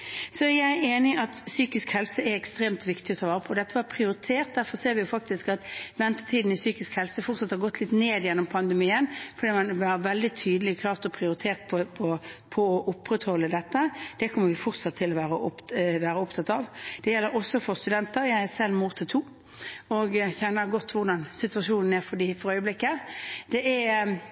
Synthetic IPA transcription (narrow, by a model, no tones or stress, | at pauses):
sɔjæɪeːnɪʔɑt̪syːkɪskhɛlsəɛɾɛkst̪ɾeːmt̪ʋɪkt̪ɪɔt̪ʰɑʋɑːɾəpʰɔd̪ɛt̪ːəʋɑpʰɾɪʊɾɪt̪ʰeːʁt̪̚d̪æɾfɔɾseːɾʋɪjʊfɑk̚t̪ɪskɑt̪ʋɛnt̪ə̥t̪ʰiːd̪n̩ɪsyːkɪskhɛlsəfɔʁt̪sɑt̪ːhɑʁɡɔt̪ʰːlɪt̪neːd̪jɛnːɔmpʰɑnd̪əmiːənfɔɾd̪iːmɑnʋɑɾʋɛld̪ɪt̪ʰyːd̪əlɪkʰlɑːʁt̪ɔpʰɾɪʊɾɪt̪ʰeːʁt̪̚pʰpʰɔpʰɔːʔʊpːɾət̪hɔlːəd̪ɛt̪ːəd̪̥ɛkʰɔmːəɾʋɪfɔʁt̪sɑt̪ʰːɪlɔʋæːɾəʔɔpʋæːɾəɔpt̪ʰɑt̪ɑːʋd̪̥ɛjɛlːəɾɔsːɔfɔɾst̪ʉd̪ɛnt̪əɾjæɪæsɛlmut̪ʰɪt̪ʰuː | ɔɡçɛnːəɾɡɔt̪ːʋʊʁd̪ɑnsɪt̪ʉɑʂuːnn̩æɾfɔd̪ifɔɾœʏəblɪkːəd̪̥ɛʔæ